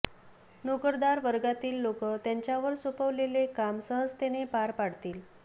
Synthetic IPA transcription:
nokəɾd̪aɾʋəɾɡat̪iːlːokət̪jaɲt͡ɕjaʋəɾsopəʋlelekamsəɦəd͡zt̪enepaɾpaɽ̤t̪iːl

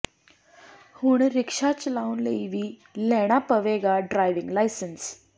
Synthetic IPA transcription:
huːɳɾikʂat͡ɕlaunlə̰jʋiː | lɛɽ̃apəʋeɡaɖɾajʋĩŋɡlajsəns

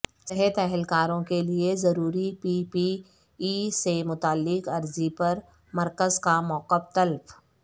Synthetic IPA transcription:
sɛɦət̪ɛɦəlkaːɾõkeliezɐɾuːɾipiːpi | iːsemʊt̪aːlːɪqɐɾzipɐɾ | mɐɾkəzkamɔːqəft̪ɐlf

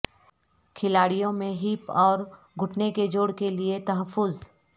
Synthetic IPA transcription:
kʰɪlaːɽijõmẽɦiːpɔːɾ | ɡʱʊʈʰneked͡ʒoːɽkeliet̪ɐɦəfːʊz

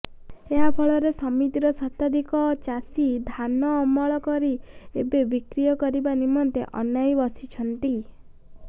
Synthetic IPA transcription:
eɦapʰɔɭɔɾesɔmit̪iɾɔsɔt̪ad̪ikɔt͡ʃasid̪ʱanɔːmɔɭɔkɔɾiebebikɾijɔkɔɾibanimɔnt̪ḛʔɔ̰najbɔsit͡ʃʰɔnt̪i

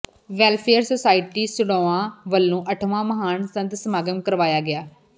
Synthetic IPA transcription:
ʋɛːlpʰeːəɾsoːsaːɪʈiːsʊɽoːãːʋəlːũːʔəʈʰʋãːməɦaːnsə̃nt̪səmaːɡəmkəɾʋaːjaːɡɪaː

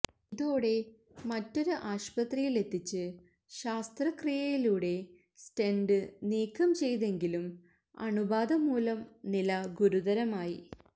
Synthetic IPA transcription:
iðo̞ːɽe̞ | mɐtːo̞ɾuʔaːɕpɐt̪rijile̞t̪ːit͡ɕːɨ | ɕaːst̪rɐkrijɐjiluːɽe̞ | sʈe̞nɖɨniːkʰːɐmt͡ɕe̞jðe̞ŋɡilum | ɐ̰ɳubaːd̪ɐmuːlɐmnilɐɡuɾuðɐɾɐmaːjḭ

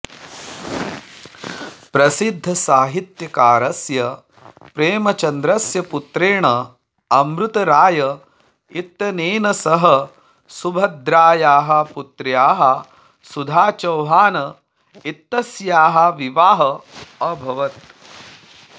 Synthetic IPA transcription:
pɾɐsid̪ʱːɐsaːɦit̪jɐkaːɾɐsjɐ | pɾeːmɐt͡ʃɐnd̪ɾɐsjɐput̪ɾeːɳɐ | ɐmɾut̪ɐɾaːjɐ | it̪ːɐneːnɐsɐɦɐ | subʱɐd̪ɾaːjaːɦɐ̆put̪ɾjaːɦɐ | sud̪ʱaːt͡ʃɐwɦaːnɐ | it̪ːɐsjaːɦɐʋiʋaːɦɐɐbʱɐʋɐt̪

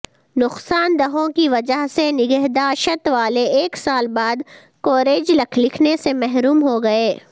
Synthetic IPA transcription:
nʊqsaːnd̪ɐɦõkiʋɐd͡ʒəɦsenɪɡɛɦd̪aːʃət̪ʋaːleeːksaːlbaːd̪ | koːɾeːd͡ʒlɐkʰlɪkʰnesemɛɦɾuːmɦoɡɐeː

